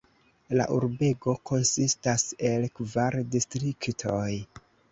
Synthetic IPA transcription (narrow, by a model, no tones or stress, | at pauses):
la̰ʔuɾbe̞ɡo̞ko̞nsistase̞lkvaɾdistɾiktʰoj